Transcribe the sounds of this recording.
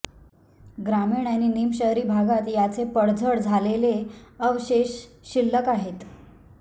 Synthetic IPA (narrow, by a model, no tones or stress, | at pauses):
ɡɾamiɳjaniːnimɕəɦɾiːbʱaɡat̪jat͡sepəɽd͡zʱəɽd͡zʱaleleəʋɕeɕ | ɕilːəkaɦet̪